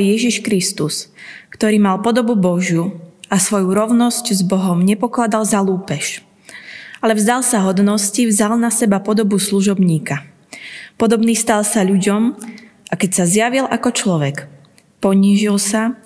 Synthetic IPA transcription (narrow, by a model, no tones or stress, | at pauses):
jɛʒiʃkɾist̪uskt̪ɔɾiːmalpɔd̪ɔbubɔʒjuasʋɔjuɾɔʊnɔsczbɔɦɔmɲɛpɔklad̪alzaluːpɛʃ | alɛvzd̪alsaɦɔd̪nɔscivzalnasɛbapɔd̪ɔbusluʒɔbɲiːka | pɔd̪ɔbniːst̪alsaʎuɟɔmʔakɛcsazjaʋilʔakɔt͡ʃlɔʋɛk | pɔɲiːʒilsa